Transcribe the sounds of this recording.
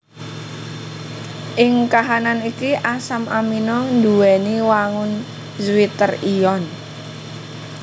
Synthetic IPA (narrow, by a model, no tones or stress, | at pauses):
ʔɪŋkaɦananikiʔasamʔaminɔnd̪uwɛniwaŋʊn | zwit̪ərijɔn